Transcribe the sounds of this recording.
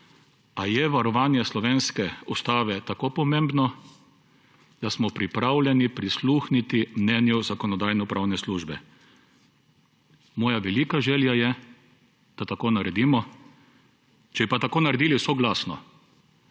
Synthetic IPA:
ajɛʋaɾɔʋaːnjɛslɔʋeːnskɛust̪aːʋɛt̪akoːpɔmẽmbnɔ | d̪̥asmɔpɾipɾawlʲjɛnipɾisluːxnit̪imnɛːnjuzakɔnɔd̪aːjnɔpɾʔawnɛsluːʒbɛ | mɔːjaʋɛliːkaʒɛljajɛ | d̪̥at̪akoːnaɾɛd̪iːmɔ | t͡ʃɛbipat̪akoːnaɾɛd̪iːlisoɡlaːsnɔ̰

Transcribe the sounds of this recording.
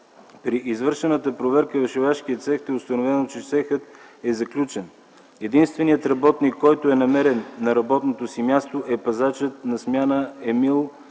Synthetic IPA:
pɾiʔizvɤɾʃɛnət̪əpɾovɛɾkəvɛʃovɛʃkiət̪sɛxt̪ɛʊst̪ɐnovɛnot͡ʃɛʃsɛxət̪ɛzɐklʲut͡ʃɛn | ɛd̪inst̪vɛniət̪ɾɐbɔt̪nikːɔjt̪oɛnɐmɛɾɛnːɐɾɐbɔt̪not̪osimʲjast̪oʔɛpɐzat͡ʃət̪̚nɐsmʲjanəɛmilˠ

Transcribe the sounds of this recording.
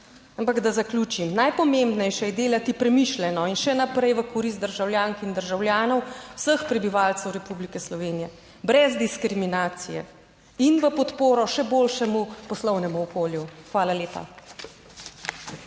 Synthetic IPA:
ampaɡd̪azaklʲuːt͡ʃimnajpɔmembnɛjʃɛjɛd̪eːlat̪ipɾɛmiʃlɛnɔinʃɛnapɾɛjʋəkɔɾist̪d̪əɾʒawljaːŋkind̪əɾʒawljaːnɔwwsəxpɾɛbiʋaːlt̪sɛwɾɛpublikɛslɔʋeːnijɛ | bɾɛzd̪iskɾiminaːt̪sijɛ̰ | inʋəpɔt̪poːɾɔʃɛboːlʃɛmupɔslɔwnɛmuɔkoːljuxʋaːlaleːpa̰

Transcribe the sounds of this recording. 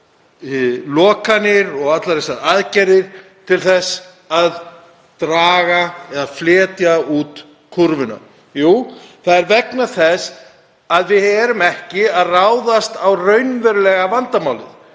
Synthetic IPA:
lɔːkanɪɾɔɣat̪laɾɛsaðaðcɛɾɪɾ̥t̪ʰɪlθɛs | að | t̪ɾaːɣaɛðaðflɛːt̪jauːt̪ | kʰuɾvɪna̰ | juːθaðɛɾvɛknaθɛs | aðvɪðhɛɛɾʏmɛhcɪaðraːwðast̪awrœɥnvɛɾlɛɣavant̪amaːwlɪð

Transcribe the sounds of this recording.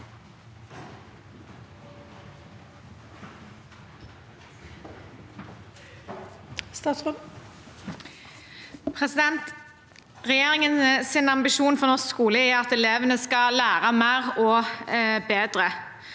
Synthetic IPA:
st̪ɑs | pʰʁɛsɪd̪ɛnt̪ | ʁɛjeːʁɪŋənəsɪnɑmbɪʃuːnfɔʁnɔʁsskuːləɪɑt̪ɛleːʋənəskɑlæːʁɑmæːʁɔ | beːd̪ʁə

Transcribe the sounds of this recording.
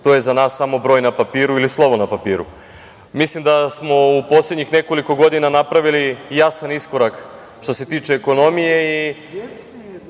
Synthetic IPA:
t̪o̞je̞zanaːsːamo̞bɾojnapapiːɾuilislˠo̞ʋo̞napapiːɾṵ | mislimd̪asmo̞upo̞slʲe̞d̪ɲixne̞ko̞liko̞ɡo̞d̪inanapɾaʋilijasanisko̞ɾak | ʃt̪o̞se̞t̪iːt͡ʃe̞ːko̞no̞mije̞i

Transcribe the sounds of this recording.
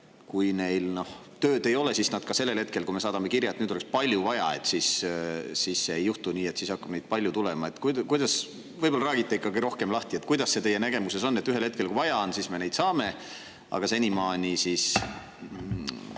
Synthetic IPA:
kujne̞jlno̞h | t̪øːd̪e̞jo̞le̞sisnɑd̪̥̚kɑse̞lːe̞lhe̞t̪̚ke̞lkume̞sɑːd̪ɑme̞kirjɑet̪nyːd̪olekspɑlʲjuvɑjɑ̰e̞̰t̪ːsissiːsseːjːuht̪uniːe̞t̪ːsiːsɑkːɑbned̪̚pɑlʲjut̪ulɛmɑe̞t̪ːˑkujkujd̪ɑs | vɤjbolːɑɾæːɡit̪ːˑeikːɑɡiɾo̞hke̞mlɑht̪ie̞t̪kujd̪̥ɑsːe̞t̪e̞jːenæɡ̥e̞muse̞so̞nːet̪ːyɦe̞lheke̞lkuvɑjɑnsisme̞ne̞jd̪sɑːme̞ | ɑ̰ɡ̥ɑse̞nʲimɑːnʲisiːs

